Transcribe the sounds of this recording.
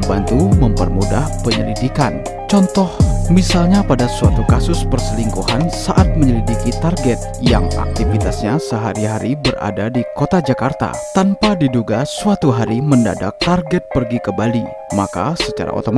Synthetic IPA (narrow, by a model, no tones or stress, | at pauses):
bant̪uməmpərmudahpəɲə̰lḭdikan | t͡ʃɔnt̪ɔhmisalɲapadasuat̪ukasʊspərsəliŋkuhansaʔat̪̚məɲəlidikit̪arɡɛt̪̚ja̰ŋa̰k̚t̪ifit̪asɲasəɦaɾiɦaɾibəra̰dadikot̪ad͡ʒakart̪a̰t̪anpadiduɡasuat̪uɦaɾimənda̰da̰k̚t̪arɡɛt̪̚pərɡikəbali | maka̰sət͡ʃa̰ɾa̰ʔo̰t̪om